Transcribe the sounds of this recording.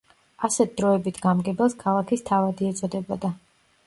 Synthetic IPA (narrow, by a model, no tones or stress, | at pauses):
asɛt̪̚ʰd̪ɾɔɛbit̪ʰɡamɡɛbɛlˠskʰalˠakʰist̪ʰavad̪iɛt̪sʼɔd̪ɛbɔd̪a